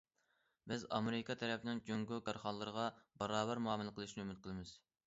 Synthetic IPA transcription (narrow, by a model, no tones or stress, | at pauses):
bɪzɑ̰meɾɪkʰɑt̪ʰɛɾɛpʰɪnɪŋd͡ʒøŋɡuɡɑɾχɑnlˠːɨɾəʁɑbɑɾɑːbæɾmuɑːmɨlˠɨqʰəlˠɨʃnɪymɪt̪̚qʰəlˠɪmɪz̥